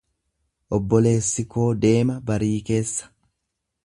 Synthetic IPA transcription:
ʔɔbːɔle̞ːsːɪkoːd̪e̞ːmɐbɐɾiːke̞ːsːɐ̥

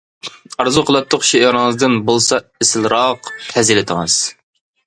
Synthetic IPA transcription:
ɑɾzʊqʰəlˠɑt̪ʰːʊqʃijɑɾɨŋɨzd̪ɨnbolˠsɑesɪlˠɾɑqp̪ʰɛzɪlɪt̪ʰəŋɨ̰z̥

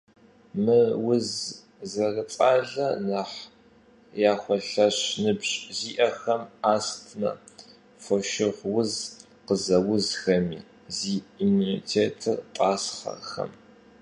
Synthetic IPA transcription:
mɨwʊz | zɐrɨt͡sʼaːɮɐ̰naħ | jaːχʷɔɬɐɕnɨbɕʼziːʔɐxɐmaːstʰnɐ̰ | foʃɪʁwʊz | qəzɐwʊzxɐmḭː | ziːimunḭtʰeːtʰɨrpʼaːsχɐ̰rxɐ̰m

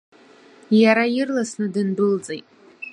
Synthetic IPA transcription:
jaɾajɪrlasnɨdɨnbɨld͡zʼejtʼ

